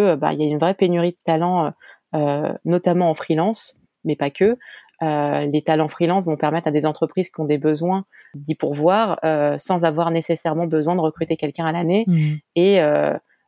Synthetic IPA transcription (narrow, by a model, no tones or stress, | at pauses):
əøba̰iljaynvʁɛpenyʁid̪ət̪alɑ̃øønɔt̪amɑ̃ɑ̃fχilɑ̃s | mɛpakʲʰø | ølet̪alɑ̃fχilɑ̃s̬vɔ̃pɛʁmɛt̪χad̪ezɑ̃t̪χəpχiz̥kʲiɔ̃d̪ebəzwɛ̃ | d̪ipuʁvwaːʁøsɑ̃zavwaʁnesesɛʁmɑ̃bəzwɛ̃d̪əʁəkχyt̪ekʲɛlkʲɛ̃alaneeø